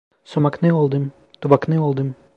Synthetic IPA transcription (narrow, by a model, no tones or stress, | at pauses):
somaknɯolˠd̪ɯm | t̪ubaknɯolˠd̪ɯm